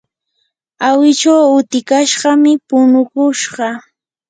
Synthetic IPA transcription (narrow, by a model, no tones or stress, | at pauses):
awɪt͡ʃawʊt̪ɪkaʃɢɑmɪpʊnʊkʊʃɢɑ